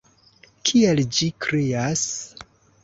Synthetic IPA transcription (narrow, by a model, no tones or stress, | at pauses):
kʰield͡ʒikɾias